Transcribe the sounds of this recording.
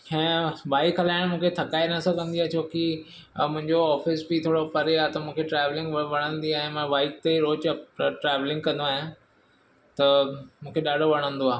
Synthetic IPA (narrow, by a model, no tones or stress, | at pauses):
hɛ̃ːʋaːɪkɦɐlaːɪɽ̃mũːkʰet̪ʰɐkaːɪnɐsɐ̃kɐ̃n̆d̪iaːt͡ɕoːki | mʊ̃ɦɪ̃ɲd͡ʑoɔːfɪsbit̪ʰoːɽopɐɾeaːt̪ɐmũːkʰeʈɾɛːʋlɪ̃ŋɡʋʋɐɽ̃ə̃nd̪iaːɦẽmɐ̃ʋaːɪk̚t̪eɾoːt͡ɕʈɾɛːʋlɪ̃ŋɡ̚kɐ̃nd̪oaːɦjã | t̪ɐmũːkʰeɗaːɖʱoʋɐɽ̃ə̃nd̪oaː